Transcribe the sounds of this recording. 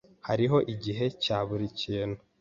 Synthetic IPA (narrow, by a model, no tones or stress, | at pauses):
haɾiɦo̞ʔiɟiɦe̞caːβuɾiciːnu